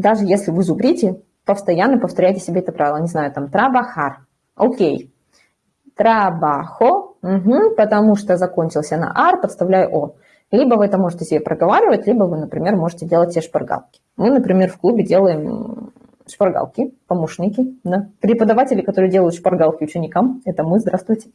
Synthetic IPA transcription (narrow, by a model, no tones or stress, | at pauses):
d̪aʐɨjesʲlʲɪvɨzʊbɾʲitʲɪ | pəfst̪ɐjanːəpəft̪ɐɾʲæjtʲɪsʲɪbʲeɛt̪əpɾavʲɪlˠənʲɪznajʊt̪amt̪ɾabaxar | okʲej | t̪ɾɐbaxom̩ɦm̩pət̪ɐmuʂt̪ozɐkonʲt͡ɕɪlˠsʲənɐ̰ʔarpət̪st̪ɐvlʲæjʊʔo | lʲibəvɨɛt̪əmo̞ʐɨtʲɪsʲɪbʲepɾʔəɡɐvaɾʲɪvətʲlʲibəvɨnəpɾʲɪmʲe̞rmo̞ʐɨtʲɪdʲelˠət̚ʲsʲeʂpɐrɡa̰lˠkʲɪ̥ | mɨnəpɾʲɪmʲe̞rfklˠubʲɪdʲe̞lˠəjɪm | ʂpɐrɡa̰lˠkʲɪpɐmoʂnʲɪkʲɪd̪apɾʲɪpəd̪ɐvatʲɪlʲɪkɐt̪oɾɨjədʲe̞lˠəjʊt̪ʂpɐrɡalˠkʲɪʊt͡ɕɪnʲɪkamɛt̪əmɨzd̪ɾast̪vʊjtʲɪ̥